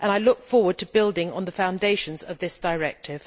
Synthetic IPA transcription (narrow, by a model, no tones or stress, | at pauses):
ʔə̃naɪlʊk̚fɔɹwə˞d̚tʰɨbɪlˠdɪ̃ŋə̰̃nðəfãʊ̃ndeɪʃɨ̃nzʌvðɪsd̥əɹɛk̚tʰɪv̥